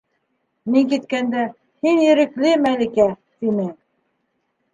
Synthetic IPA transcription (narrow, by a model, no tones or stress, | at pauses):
miŋkit̪̚kænd̪æ | hinjɘ̆ɾɘ̆klɘmælikæ | t̪inɘ